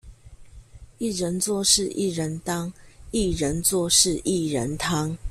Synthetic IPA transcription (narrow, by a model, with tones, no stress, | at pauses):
i˥˩ɻə˨˧˦nt͡swɔ˥˧ʂɻ̩˥˧ʔi˥˨ɻə˨˦nt̪ɑ˦ŋi˥˨ɻə˨˦nt͡swɔ˥˧ʂɻ̩˥˨ʔi˥˨ɻə˨˦nt̪ʰɑ˦ŋ